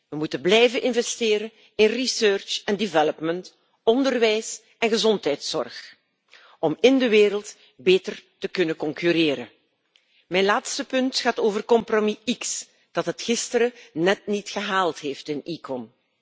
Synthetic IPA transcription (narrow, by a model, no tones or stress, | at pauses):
ʋəmutənblɛjvənʔɪnvɛstɪːɾən | ɪnrisøːrt͡ʃɛndɪvɛlɔpmənt | ɔndərʋɛjs | ɛnɣəzɔntɦɛjtsɔ̰rx | ɔmɪndəʋeːɾəlˠt | beːtərtəkɵnəkɔŋkyɾeːɾən | mɛjnlaːtstəpɵntxaːtoːvərkɔmpromiiks | d̥ɑtɦətxɪstəɾənɛtnitxəɦaːlˠtɦeːftɪnikɔm